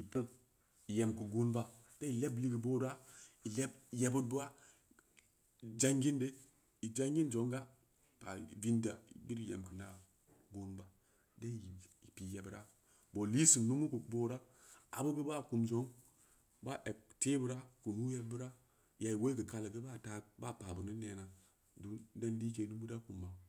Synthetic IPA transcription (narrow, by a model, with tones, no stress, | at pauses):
i˨pu˦ŋ | i˨je˨mku˨ɡu˦nba˦ | d̥e˦i˨le˦bli˦ki˨boː˦ɾa˦i˨le˦b̚je˨bu˦t̚ba˦˨ | d͡ʒa˦ŋɡi˦nde˦ | i˨d͡ʒa˦ŋɡi˦nd͡ʒo˨˦ŋɡa˦ | pa̰˨vi˦nda˨ḭ˨bi˦ɾi˨jḛ˨mkə˨na˨ | ɡo˦nba˨ | de˦˨i˨i˨pi˨je˨bɾa˦ | bo˨li˦si˨nnu˦mu˦ku˨bo˦ɾa˦ | a̰˨bu˦be˦ba˦˨ku˨md͡ʒo˨˦ŋ | ba˦ʔe˨b̚te˦bu˦ɾa˦ku˨nu˦je˦b̚bu˦ɾa˦ | ja˨i˨we˦kə˨ka˨la˨ɡə˦ba˦˨ta˦ba˦˨pa˨bu˨ni˦ne˨na˨ | du˨˦de˦n˦li˦ke˨nu˦bu˦da˦ku˨mːa˨